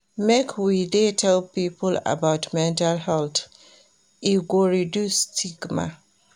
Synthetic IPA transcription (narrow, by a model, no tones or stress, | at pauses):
mekʰwidetʰɛlpipəla̰baʊtmɛ̃ntalhɛlt | iɡoɹidjustʰiɡma̰